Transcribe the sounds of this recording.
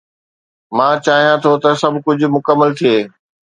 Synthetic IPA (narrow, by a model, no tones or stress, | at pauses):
mãːt͡ɕaːɦijãt̪ʰot̪ɐsɐbʱkʊd͡ʑʱʊ̆mʊkəmːəlt̪ʰieː